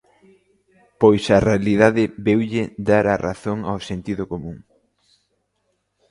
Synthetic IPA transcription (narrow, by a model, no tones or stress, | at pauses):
pojsɐrealiðaðɪbewʎɪd̪aɾara̰θoŋawsent̪iðʊkomũŋ